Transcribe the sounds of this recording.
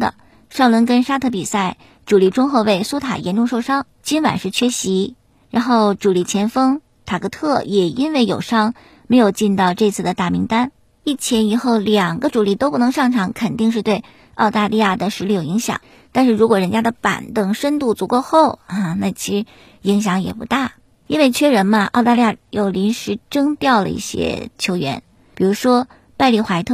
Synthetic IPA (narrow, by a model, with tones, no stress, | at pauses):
d̪ə̰˨˩ | ʂɑ˥˩ʊlwə˧˥nkə˥nʂa˥t̪ʰɤ˥˩pi˨˩sa˥˩ɪ | ʈ͡ʂu˨˩li˧˥˩ʈ͡ʂʊ˥ŋxo˥˧we˥˩ɪsu˥t̪ʰa̰˨˩jɛ˧˥nʈ͡ʂʊ˥˧ŋʂo˥˧ʊʂɑ˥ŋ | t͡ɕi˥nwa̰˨˩˦nʂɻ̩˥˩t͡ɕʰɥɛ˥ɕi˧˥ | ɻa˧˥nxo˥˩ʊʈ͡ʂu˨˩li˧˥˩t͡ɕʰjɛ˧˥nfɤ˥ŋ | t̪ʰa˨˩kɤ˧˥t̪ʰɤ˥˩jɛ˨˩i˥nwe˥˩ɪjo˨˩ʊʂɑ˥ŋ | me˧˥ɪjo˨˩ʊt͡ɕi˥˧nt̪ɑ˥˧ʊʈ͡ʂɤ˥˧t͡sʰɹ̩˥˩d̪ə˩t̪a˥˩mi˧˥ŋt̪a˥n | i˥˩t͡ɕʰjɛ˧˥ni˨˩xo˥˩ʊljɑ˨˩ŋɡə˦ʈ͡ʂu˨˩li˥˩t̪o˥ʊpu˥˩nɤ˧˥ŋʂɑ˥˩ŋʈ͡ʂʰɑ˧˥ŋkʰə˨˩nt̪i˥˧ŋʂ̬ɻ̩˥˧t̪we˥˧ɪ | ɑ˥˧ʊt̪a˥˧lʔi˥˧ja˥˩d̪ə˩ʂɻ̩˧˥li˥˩jo˨˩ʊi˧˥ŋɕjɑ̰˨˩˦ŋ | t̪a˥˧nʂɻ̩˥˩ɻu˧˥kwɔ˨˩ɻə˧˥nt͡ɕja˥d̪ə˨pa̰˨˩nt̪ɤ˥˩ŋʂə˥nt̪u˥˩t͡su˧˥kɔ˥˧xo˥˩ʊɐ˥˩na˥˩t͡ɕʰi˧˥ʂɻ̩˧˥ | i˧˥ŋɕ̬jɑ˧˥ŋjɛ̰˨˩pu˧˥t̪a˥˩ | i˥nwe˥˩ɪt͡ɕʰɥɛ˥ɻə˧˥nmɐ˧ʔɑ˥˧ʊt̪a˥˧li˥˧ja˥˧jo˨˩ʊli˧˥nʂɻ̩˧˥ʈ͡ʂɤ˥ŋt̪jɑ˥˩ʊlə̰˧ḭ˥˩ɕjɛ̰˥t͡ɕʰjo˧˥ʊɥɛ̰˧˥n | pi˨˩ɻu˧˥ʂwɔ˥ | pa˥˧ɪli˥˩xwa˧˥ɪt̪ʰɤ˥˩